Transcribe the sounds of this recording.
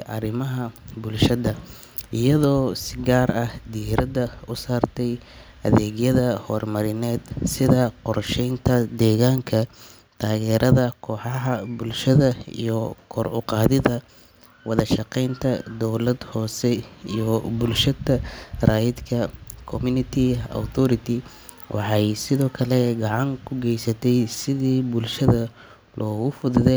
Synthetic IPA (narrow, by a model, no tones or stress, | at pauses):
ʕɑrɪmɐɦɐbʊlʃɐðɐ | ʔɪjɐðɔːsɪɡaːrɐhd̪iːɾɐðɐʊsaːrt̪ʰɛjʔɐðɛːɣjɐðɐhɔːrmɐɾɪnɛːd̪sɪðɐqɔrʃɛjnt̪ʰɐd̪ɛːɣaːŋkʰɐ | t̪ʰaːɣɛːɾʔɐðɐkʰɔːħɑɦɐbʊlʃɐðɐḭjɔkʰɔrʊ̰qɑːðɪðɐ | wɑðɐʃɑqɛjnt̪ʰɐd̪ɔwlɐd̪hɔːsɛḭjɔbʊlʃɐd̪ɐraːjɪd̪kʰɐkʰɔmʊnɪt̪ʰɪɔ̰wt̪ʰɔɾɪt̪ʰɪ | wʔɑ̰ħɑjsɪðɔːkʰɐlɛɡɑʕɑŋkʰʊɡɛjsɐt̪ʰɛjsɪðiːbʊlʃɐðɐ | lʔɔːɣʊfʊðʊðɛ